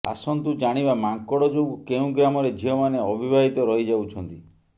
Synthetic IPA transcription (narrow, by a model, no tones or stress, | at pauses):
a̰sɔnt̪ud͡ʒaɽ̃ibamaŋkɔɽɔd͡ʒoɡukeũɡɾamɔɾed͡ʒʱiɦɔmaneɔbʱibʱaɦit̪ɔɾɔɦid͡ʒawt͡ʃʰɔnt̪i